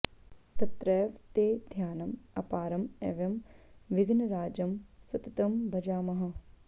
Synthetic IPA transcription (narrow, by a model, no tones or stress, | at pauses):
t̪ɐt̪ɾɐjʋt̪eːd̪ʱjaːnɐmɐpaːɾɐmeʋjɐmʋiɡnɐɾaːd͡ʒɐmsɐt̪ɐt̪ɐmbʱɐd͡ʒaːmɐɦɐ̆